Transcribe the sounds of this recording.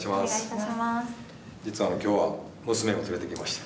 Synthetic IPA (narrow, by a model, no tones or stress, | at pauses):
ɕimasmas | d͡ʑit͡sɨβano̞kʲo̞ːβa | mɯ̟sɨme̞ot͡sɨɾe̞t̪e̞kʲimaɕi̥t̪ḁ